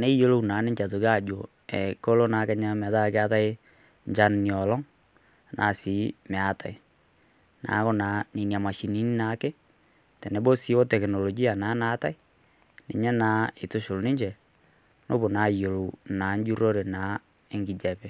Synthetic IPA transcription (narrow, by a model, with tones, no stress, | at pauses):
ne˦jo˦lo˦˨u˨na˨˦ne˦ɲd͡ʒa˨tu˨ka˦˨d͡ʒo˨ | ɛ̰˨ko˦lo˦na˨˦kɛ˦ɲa˦ma˨ta˦˨ka˦ta˦e˦ | ɲd͡ʒa˦nni˨ɔ˨lɔ˦ŋ˨ | nʔa̰˨siː˨˦mɛ˨a˨ta˨i˨ | na̰˨˦ko˦na˨˦ni˨nja˨ma˨ʃi˨ni˦ni˦naː˨˦ke˦ | tɛ˨nɛ˨bo˦si˦wo˦tɛ˨kno˨lo˨ɡi˦a˨naː˨˦na˦ta˦i˦ | nḛ˨ɲɛ˦naː˨˦e˨tu˦ʃo˨lni˦ɲd͡ʒɛ˨ | no̰˦bo˨naː˨˦˨jo˨lo˨naː˨˦ɲd͡ʒu˦ɾo˦ɾe˨na˨˦ | e˦ŋɡi˨d͡ʒɛ˨pɛ˨